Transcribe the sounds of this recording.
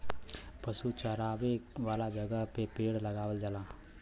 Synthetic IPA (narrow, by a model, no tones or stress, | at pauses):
pəsut͡ʃəɦɾaːʋeʋaːlad͡ʒəɡəɦpepeːɽləɡaːʋəld͡ʒəlaː